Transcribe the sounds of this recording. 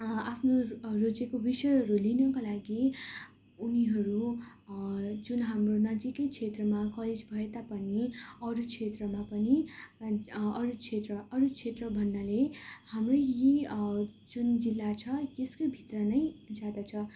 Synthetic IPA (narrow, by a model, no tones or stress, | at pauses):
apʰnorod͡zekobisʌjɦʌɾulinʌkalaɡi | uniɦʌɾu | d͡zunɦamronʌd͡zikʌjt͡sʰet̪rʌmakʌled͡zbʱʌet̪apʌniʌɾut͡sʰet̪rʌmapʌni | ʌɾukʰet̪rʌʔʌɾut͡sʰet̪rʌbʱʌnːalehamroji | d͡zund͡zilːat͡sʰʌjeskobʱit̪rʌnʌjd͡zad̪at͡sʰʌ